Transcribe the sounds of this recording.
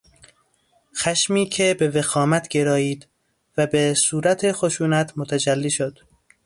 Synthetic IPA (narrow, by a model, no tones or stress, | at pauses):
xæʃmiːcʰe̞bevexɒːmæt̪ʰɟe̞ɾɒːiːd̪̥ | væbesuːɾæt̪ʰexo̞ʃuːnæt̪ʰmot̪ʰæd͡ʒælːiːʃod̪̥